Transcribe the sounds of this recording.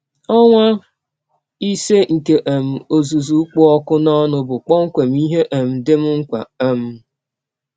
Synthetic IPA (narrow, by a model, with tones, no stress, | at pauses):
ɔ˦ŋʷa˦ | i˦se˦ŋ̩˨ke˨ʔe˨m̩˨o˨zu˨zu˨˦k͡pʊ˦ɔ˦kʊ˦nɔ˦nʊ˨bʊ˨k͡pɔ˦ŋ̩˦kʷe˨m̩˦i˦ɦe˦ʔe˨m̩˨dɪ˦m̩˦ŋ̩˦kʷa̰˨e˦m̩˦